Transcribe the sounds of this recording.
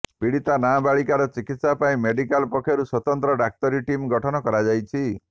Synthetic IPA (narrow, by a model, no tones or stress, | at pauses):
piɽit̪anabaɭikaɾɔt͡ʃikit̪sapaĩmeɖikalpɔkʰjɔɾuswɔt̪ɔnt̪ɾɔɖak̚t̪ɔɾiʈimɡɔʈʰɔnɔkɔɾad͡ʒajt͡ʃʰi